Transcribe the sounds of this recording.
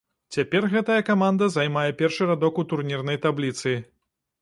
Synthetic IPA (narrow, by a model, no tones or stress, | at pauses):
t͡sʲapʲɛrɣɛt̪ɐjɐkamand̪ɐzajmajɛpʲɛrʂɨɾad̪ɔkut̪urnʲirnɐjt̪ablʲit̪sɨ